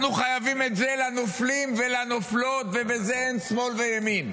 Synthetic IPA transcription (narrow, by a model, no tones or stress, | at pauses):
nuχajavimet̪zelanoflimvelanoflo̞t̪vebezeensmo̞lvejemin